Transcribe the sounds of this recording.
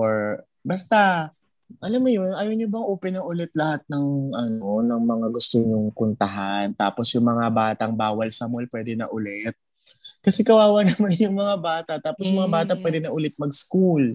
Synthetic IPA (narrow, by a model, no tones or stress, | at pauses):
ʔoɹ | bɐst̪a | ʔɐlamːʊjonʔaːjonɲobɐŋʔoːpɛnɐŋʔʊlɛt̪̚lɐhat̪̚nɐŋʔɐnonɐŋmɐŋaɡʊst̪oɲʊŋkʊnt̪ɐɦant̪a̰ːposjʊŋmɐŋabaːt̪ɐŋbaːwɐlsɐmolpwɛːd̪ɛnɐ̰ʔʊlɛt̪̚ | kɐsɛkɐwaːwɐnɐmanjʊŋmɐŋabaːt̪ɐt̪aːposjmɐŋabaːt̪ɐpwɛd̪ɛnɐʔʊlɛt̪̚mɐɡskul